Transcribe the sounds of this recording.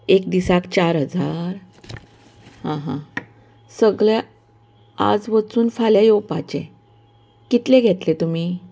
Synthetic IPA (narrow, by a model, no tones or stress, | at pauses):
ekd̪isakt͡ɕaɾɦəd͡zaɾ | ɦãɦã̰ | səɡɭja | a̰d͡zʋət͡suːnfaljajopat͡ɕḛ̃ | kit̪leɡʱet̪let̪um̤i